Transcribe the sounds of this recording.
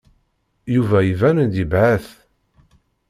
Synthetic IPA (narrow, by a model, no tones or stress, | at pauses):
juvæjivænənd̪ibʕaθ